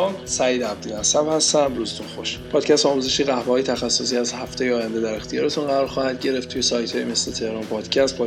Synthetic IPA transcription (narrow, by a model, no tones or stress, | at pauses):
msæjiːd̪æb̚d̪inæsæbhæst̪æmɾuzet̪ʰunxoʃpʰɒːd̪̥cʰæst̪ɒːmuːze̞ʃiːɣæhbehɒːjet̪ʰæxæsːos̬iːæzhæft̪ejeɒːjænd̪e̞d̪æɾext̪ʰijɒːɾe̞t̪unɢæɾɒːɾxɒːhæd̪̚ɟe̞ɾe̞ft̪ʰːujesɒːjt̪ʰhɒːjemeslet̪ʰe̞hɾɒːmpʰɒːd̪̥cʰæst̪̚pʰɒ